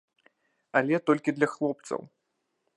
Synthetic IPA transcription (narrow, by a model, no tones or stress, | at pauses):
ɐlʲɛt̪ɔlʲkʲid̪lʲɐxlˠɔpt̪sɐ̰w